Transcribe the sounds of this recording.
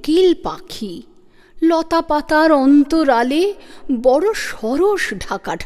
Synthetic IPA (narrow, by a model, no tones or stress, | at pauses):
kilpa̰kʰi | lɔt̪apat̪aɾɔnt̪oɾalebɔɽoʃɔɾoʃɖʱakaɖʰʱ